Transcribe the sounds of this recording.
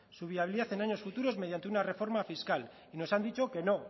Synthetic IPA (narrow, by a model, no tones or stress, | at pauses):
suβiaβiliðaθe̞naɲo̞sfut̪uɾo̞zme̞ð̞jant̪eunare̞fo̞ɾmafiskal | ino̞sand̪it͡ʃo̞ke̞no̞